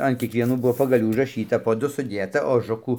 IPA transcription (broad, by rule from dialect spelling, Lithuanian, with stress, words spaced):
ɐn kʲiɛkʋʲiɛˈnuː ˈbʊʋoː pɐɡɐˈlʲuː ʊʒrɐˈʃʲiːtɐ poː ˈdʊ sʊˈdʲeːtɐ oːˈʒʊkuː